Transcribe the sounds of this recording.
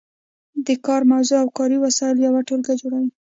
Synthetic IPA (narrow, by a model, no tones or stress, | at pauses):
d̪əkɑɾmawzoawkɑɾiwasɑɪljawaʈolɡad͡ʒoɽawi